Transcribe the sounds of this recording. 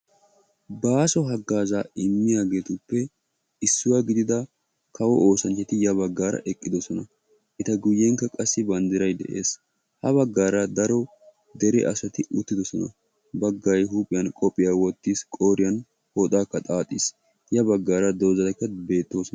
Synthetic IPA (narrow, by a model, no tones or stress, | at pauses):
baːsɔɦɐɡːaːzaːɪmːɪjaːɡe̞ːt̪ʊpːɛ | ɪsːʊwaːɡɪd̪ɪd̪ɐ | kʰɐwɔʔoːsɐnt͡ʃːɛt̪ɪjɐbɐɡːaːɾɐ̰ʔɛkʼːɪd̪ɔsɔnɐ | ʔɪt̪ɐɡʊjːɛŋkːɐkʼɐsːɪbɐnd̪ɪɾɐjd̪ɛ̰ʔe̞̰ːs | hɐbɐɡːaːɾɐd̪ɐɾɔ | d̪ɛɾɛʔɐsɐt̪ɪʔʊt̪ːɪd̪ɔsɔnɐ̰ | bɐɡːɐjɦuːpʼːɪjɐnkʼɔpʼːɪjaːwɔt̪ːiːskʼoːɾɪjɐn | hoːt̪ʼaːkːɐt̪ʼaːt̪ʼːis | jɐbɐɡːaːɾɐd̪o̞ːzɐkːɐbe̞ːt̪ːoːsɔ